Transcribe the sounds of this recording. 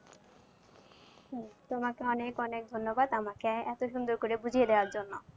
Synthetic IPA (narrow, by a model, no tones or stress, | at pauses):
t̪omakeɔnekɔnek̚d̪ʱonːobad̪amakeɛt̪oʃund̪oɾkoɾebud͡ʑʱijed̪eoaɾd͡ʑonːo